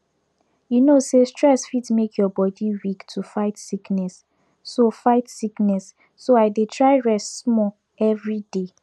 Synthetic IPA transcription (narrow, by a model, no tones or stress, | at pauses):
junosestɹɛsfitmekʰjɔbɔdiwiktʰufaɪtsiknɛsː | ofaɪtsiknɛsː | oaɪdetʰɹaɪɹɛstsmɔ | ɛvɹide